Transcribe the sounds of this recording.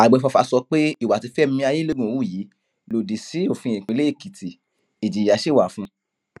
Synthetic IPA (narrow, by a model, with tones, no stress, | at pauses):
a˨ɡ͡bɛ˨˧fa˧fa˧sɔ˧k͡pe˦i˨wa˨ti˨˧˦fɛ˦m˦mĩ˧˦a˧je˦le˦ɡũ˨o˨˦u˦˨ji˨˦ | lo˨di˨si˨˦o˦˨fĩ˧ĩ˨k͡pĩ˨˧le˦e˦˨ki˨ti˨ | e˨d͡ʒi˨a˨˦ʃe˦˨wa˨fũ˧˦